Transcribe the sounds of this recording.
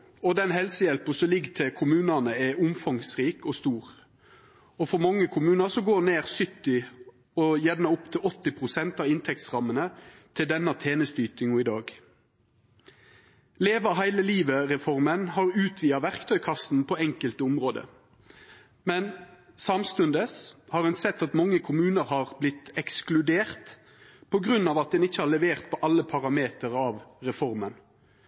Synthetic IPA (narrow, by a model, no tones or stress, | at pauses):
ɔd̪ɛnhɛlsəjɛlpəsɔlɪɡt̪ʰɪkʰʊmʉːnənəɛʊmfɑŋsʁiːkɔst̪uːʁ | ɔfɔɾmɑŋːəkʰʊmʉːnəsɔɡoːneːʁsʏt̪ːɪ | ɔjɛʋnəʊpt̪ʰɪlɔt̪ːɪpʰʁʊsɛnt̪ɑɪnt̪ʰɛk̚t̪sʁɑmːənət̪ʰɪld̪ɛnːɑt̪ʰeːnəst̪yːt̪ɪŋuːɪd̪ɑːɡ | leːʋəɦæɪləliːʋəʁɛfɔʁmənhɑːʁʉːt̪ʰʋiːɑʋæʁkt̪ʰœʏkʰɑsn̩pʰɔɛŋkəlt̪əʊmʁoːd̪ə̰ | mɛn | sɑmst̪ʉnd̪əshɑːʁɾɛnsɛt̪ːɑt̪mɑŋːəkʰʊmʉːnəʁhɑːʁblɪt̪ɛksklʉd̪eːʁt̪ | pʰɔɡʁʉnːɑːʋɑt̪̚d̪ɛnɪçːəhɑlɭɛʋeːʁt̪̚pʰɔʔɑlːəpʰɑʁɑmeːt̪əʁɑːʋʁɛfɔʁmən